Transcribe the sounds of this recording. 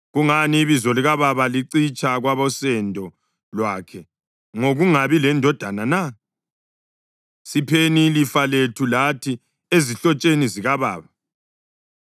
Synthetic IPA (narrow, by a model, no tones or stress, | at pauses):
ɣuŋaniβizɔliɣaβaβaliǀit͡ʃʼʰaɣwaβɔsɛndʱɔ | lwaːkʰɛ | ŋoɣuŋaβilɛndʱɔd̥ʱanana | sipʰenilifaletʰulatʰi | eziɬɔt͡ʃʼeniziɣaβa̰ːβa